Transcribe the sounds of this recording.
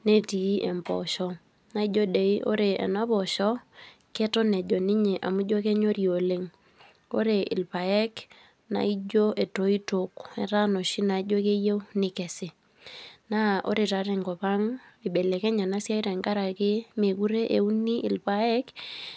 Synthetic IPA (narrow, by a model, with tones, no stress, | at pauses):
ne˦ti˨˦ʔe˨mpɔ̰˨ʃɔ˦ | na˦i˦d͡ʒo˦de˨i˦ʔo̰˦ɾe˨ɛ̰˨na˦pɔ˨ʃɔ˦ | ke˦tɔ˦nɛ˨d͡ʒɔ˨ni˦ɲe˨ʔa̰˨mu˦d͡ʒo˦ke˦ɲo˦ɾio˨le˦ŋ | o̰˦ɾe˨ʔɪ̰˨lpa˨ɛ˦k | na̰˨i˦d͡ʒo˦ʔe˨to˨˦i˦to˨kɛ˨ɾa˦no˨ʃi˦na˨˦d͡ʒo˦ke˦je˦wnɪ˨kɛ˨sɪ˨ | na˦o̰˦ɾe˨ta˨ɾe˨ŋɡɔ˨pa˦ŋi˨ɓɛ˨lɛ˨kɛ˦ɲa˨na˦sja˦i˦ɾɛ˨ŋka˦ɾa˨kɪ˦me˨ku˦ɾe˦ʔe˨u˦ni˦ɪ̰˨lpa˨ɛ˦k